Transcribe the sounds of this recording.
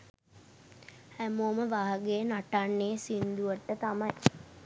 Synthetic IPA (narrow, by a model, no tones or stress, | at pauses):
hæmoːməʋaːɦaɡejənaʈanːesind̪uʋəʈːət̪amɐj